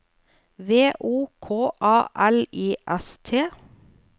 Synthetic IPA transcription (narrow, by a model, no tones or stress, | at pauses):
ʋeːʔuːkʰoːʔɑːʔæliːʔɛst̪ʰeː